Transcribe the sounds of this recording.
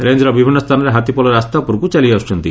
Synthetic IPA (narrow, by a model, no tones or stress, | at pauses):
ɾend͡ʒɾɔbibʱinːɔst̪ʰanɔɾeɦat̪ipɔlɔɾeast̪apuɾkut͡ʃaliaɔst͡ʃʰɔnt̪i